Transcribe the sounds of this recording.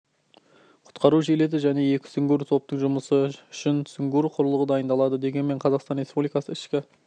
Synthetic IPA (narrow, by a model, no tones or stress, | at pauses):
qʰʊ̥t̪qɑɾuʒele̞d̪ɪʒæne̞je̞kʲɪ̥sʏŋɡʲuɾt̪ʰo̞p̚t̪əɴʒʊməsəʏʃɪnsʏŋɡuɾqʰʊɾəlˠəʁəd̪ɑjənd̪ɑlˠɑd̪əd̪e̞ɡʲe̞nme̞ɴqʰɑzɑqst̪ɑnrʲe̞spublijkɑsəɪʃkʲɪ